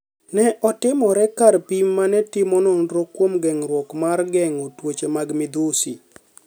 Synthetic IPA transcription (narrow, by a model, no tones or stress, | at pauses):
nɛʔɔtɪmɔɾɛkaɾpimːanɛtɪmɔnɔndɾɔkwomɡɛŋɾwɔkmarɡɛŋotwot͡ʃemaɡmɪd̪ʊsi